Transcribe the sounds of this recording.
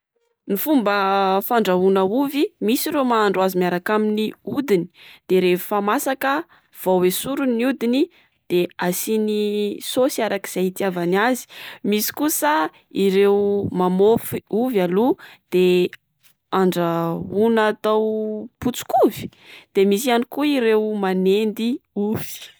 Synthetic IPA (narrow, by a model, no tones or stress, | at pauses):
nifumbəfaɳɖ͡ʐaunəuvimisiɾemaːɳɖ͡ʐwazimiaɾakaminiud̪ini̥d̪̥eɾeufamasakə | v̥awesuɾuniud̪ini | d̪̥easinisosiaɾaki̥z̥ait̪iavanazi̥misi̥kusə | iɾewmamofiuvalud̪̥e | aɳɖ͡ʐaunat̪awput͡su̥kuvi̥d̪̥emisianikuiɾewmanend̪iuv̥i̥